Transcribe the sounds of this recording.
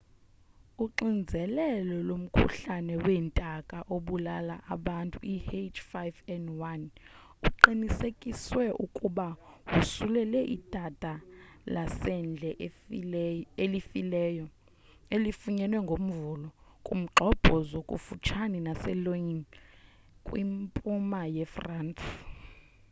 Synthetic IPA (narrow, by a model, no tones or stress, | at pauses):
uǃind͡zʱɛlɛlɔlom̩kʰṵɬanɛwɛːntʼakʼaʔoɓulalaʔaɓantʼṵʔihet͡ʃfajvɛndwan | uǃinisekʼiswɛʔukʼuɓawusulɛlɛʔḭd̥ʱatʼalasɛnd͡ɮʱɛʔ | elifilɛːjɔ | elifuɲɛnwɛŋɡʱom̩vulɔkʼṵm̩ǃʱɔb̥ʱɔzokʼṵfut͡ʃʰaninasɛloin | kʼwimpʼumajɛfrant